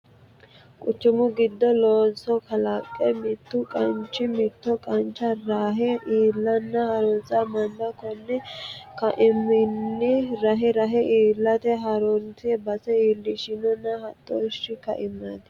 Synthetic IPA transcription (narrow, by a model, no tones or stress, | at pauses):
kʼʊt͡ʃːɪmʊɡɪd̪ːɔloːnsɔkɐlɐkʼːɛmɪt̪ːʊkʼɐnt͡ʃːɪmɪt̪ːɔkʼɐnt͡ʃːɐɾaːɦɛʔiːlːɐnːɐhɐɾɔnt͡sɐmɐnd̪ɐkɔnːɛkɐʔɪmːɪnːɪɾɐɦɛɾɐɦɛʔiːlːɐt̪ɛɦɐɾɔnsɪbɐsɛiːlːɪʃɪnɔnːɐhɐt̪ʼːɔʃːɪkɐ̰ʔɪmːɐd̪